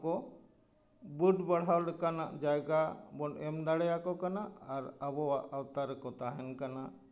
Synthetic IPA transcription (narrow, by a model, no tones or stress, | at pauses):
kɔ | buɖbaɽ̤ɦawlɛkana̰ʔd͡ʒajɡabɔnɛmd̪aɽɛjakɔkanaːɾabɔwaʔawt̪aɾɛkɔt̪aɦɛnkana